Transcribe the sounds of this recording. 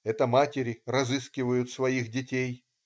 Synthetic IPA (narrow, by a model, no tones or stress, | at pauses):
ɛt̪əmatʲɪɾʲɪrɐzɨskʲɪvəjʊt̪svɐixdʲɪtʲej